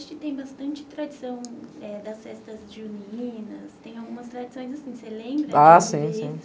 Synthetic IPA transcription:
ʃʊkɪt̪ẽj̃bast̪ɐ̃nt͡ʃɪ̥t̪ɾad͡ʒisɐ̃w̃ɛd̪ɐsfɛst̪ɐzd͡ʒiuniĩnɐst̪ẽj̃awɡũmɐst̪ɾad͡ʒisõj̃zasĩselẽmbɾɐasĩsĩ

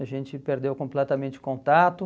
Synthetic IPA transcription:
ɐʒẽnt͡ʃɪpeɾd̪ewkõmplɛt̪ɐmẽnt͡ʃɪ̥kõnt̪at̪ʊ

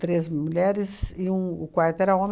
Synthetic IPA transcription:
t̪ɾezmuʎɛɾɪzɪũʊkwaɾt̪ʊɛɾɐõm

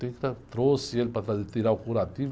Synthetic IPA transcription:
t̪eŋkɾat̪ɾoselpat̪ɾad̪it̪iɾawkuɾat̪iv

